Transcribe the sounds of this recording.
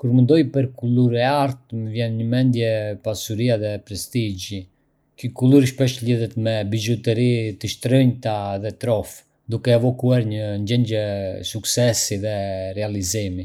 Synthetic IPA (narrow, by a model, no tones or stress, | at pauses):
kuɾmənd̪ɔjpəɾkuluɾɛaɾt̪̚məvjɛnɲəmɛnd̪jɛpasuɾiaðɛpɾɛst̪id͡ʒi | kəkuluɾiʃpɛʃliðɛt̪mɛbid͡ʒɔt̪ɛɾit̪əʃt̪ɾəɲt̪aðɛt̪ɾɔf | d̪ukɛɛvɔkuaɾɲəɲd͡ʒɛɲɟɛsuksɛsiðɛrɛalizimi